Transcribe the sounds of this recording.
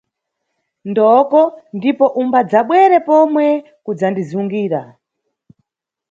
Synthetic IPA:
ndɔkɔndipɔʔumbad͡zaɓwɛɾɛpɔmwɛ | kud͡zandizuŋɡiːɾa

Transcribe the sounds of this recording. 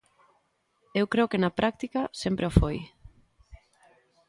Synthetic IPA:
ewkɾeokenɐpɾʔak̚t̪ikɐsempɾeofoj

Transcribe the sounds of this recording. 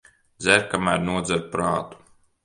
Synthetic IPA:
d̪zʲæɾkamæːɾnuɔd̪zæɾpɾaːt̪u̥

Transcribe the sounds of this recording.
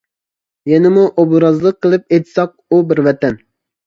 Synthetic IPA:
jɛnɪmuʔobɾɑzlˠəqʰːəlˠɨp̚et̪ʰsɑq̚ubɪɾvɛt̪ɛn

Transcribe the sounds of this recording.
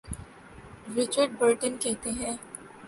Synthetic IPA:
ɾɪt͡ʃəɾɖ̚bəɾʈənkɛɦt̪eɦɛ̃ː

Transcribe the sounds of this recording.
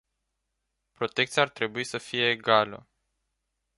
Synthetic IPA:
pɾo̞t̪e̞kt̪sijaːrt̪ɾe̞buisəfije̞ːɡalə̰

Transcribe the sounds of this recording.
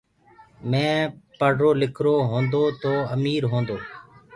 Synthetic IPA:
mɛ̃ːpəɽ̤ɾoːlɪkʰɾoːɦõːnd̪oːt̪oːəmiːɾɦõːnd̪oː

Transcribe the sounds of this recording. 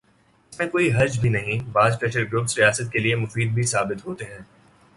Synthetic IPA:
ɪsmẽkoːiɦɐɾd͡ʒbʱinɐɦĩbaːzʈɾɛʈəɾɡɾʊpsɾijaːsət̪̚keliemʊfiːd̪̚bʱisaːbɪt̪ɦoːt̪eɦɛ̃ː

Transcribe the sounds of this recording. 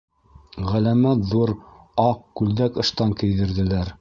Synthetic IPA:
ʁælæmæt̪ðuɾ | ɑqkʉld̪ækɤ̆ʃt̪ɑŋkɘ̆jðɘ̆ɾðɘ̆læɾ

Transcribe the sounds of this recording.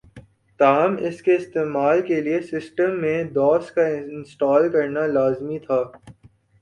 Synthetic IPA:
t̪aːmɪskeɪst̪eːmaːlkeliesɪsʈəmːẽd̪ɔːskaɪɪnsʈaːlkɐɾnalaːzmit̪ʰaː

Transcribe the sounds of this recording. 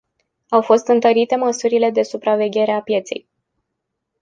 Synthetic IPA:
awfo̞st̪ɨnt̪əɾit̪e̞məsuɾile̞d̪e̞supɾave̞ɡʲe̞ɾe̞apje̞t̪se̞̰j

